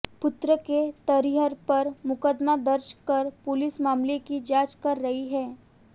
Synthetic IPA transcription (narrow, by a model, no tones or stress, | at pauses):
pʊt̪ɾəket̪ɐɾiɦəɾpɐɾmʊkəd̪mad̪ɐɾʃkɐɾpʊlɪsmaːmlekid͡ʒaːt͡ʃkɐɾːɐɦiɦɛː